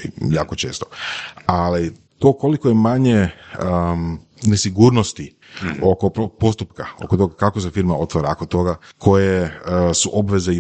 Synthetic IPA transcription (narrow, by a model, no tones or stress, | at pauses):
jaːkot͡ʃe̞ːst̪o̥ali | t̪oːko̞likojemaɲe̞ | nesiɡuːɾnost̪i | o̞ko̞popo̞st̪upkao̰kot̪oɡakakos̬efiɾmao̞t̪ʋaɾaokot̪o̞ɡakʰo̞jesuʔo̞bʋe̞zei